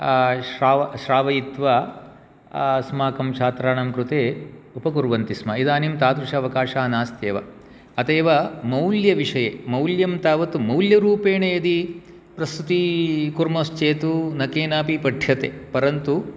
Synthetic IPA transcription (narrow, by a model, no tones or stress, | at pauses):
ʃɾaːʋɐʃɾaːʋɐjit̪ʋa | smaːkɐmt͡ʃʰaːt̪ɾaːɳɐmkɾut̪eːupɐkuɾʋɐnt̪ismɐid̪aːnimt̪aːt̪ɾuʂɐɐʋɐkaːʂaːnaːst̪eːʋɐ̰ | ɐt̪eːʋɐmɐwljɐʋiʂɐjemɐwljɐmt̪aːʋɐt̪umɐwljɐɾuːpeːɳɐjɐd̪i | pɾɐst̪ut̪ikuɾmoːst͡ʃeːt̪unɐkeːnaːpipɐɖʱjɐt̪ḛpɐɾɐnt̪u